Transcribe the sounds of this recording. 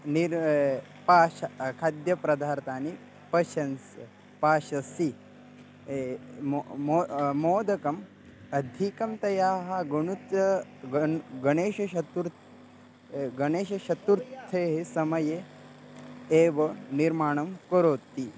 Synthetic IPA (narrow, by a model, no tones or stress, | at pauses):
niɾ | paːʃkʰaːd̪jɐpɾɐd̪ʱaːɾt̪aːni | pɐʃɐns | paːʃɐsi | mmːmoːd̪ɐkɐm | ɐd̪ʱikɐmt̪ɐjaːɦɐɡɐɳut̪ | ɡɐɳeːʃɐʃɐt̪uɾ | ɡɐɳeːʃɐʃɐt̪uɾt̪ʰːeːɦesɐmɐje | eːʋɐniɾmaːɳɐmkoɾoːt̪ːi